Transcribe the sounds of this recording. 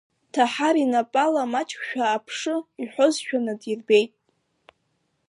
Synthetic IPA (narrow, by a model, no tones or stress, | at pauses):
tʰaħaɾinapʼalamat͡ʃʼkʷʃᶣaːpʰʂɨiħʷozʃᶣanɨdirbejtʼ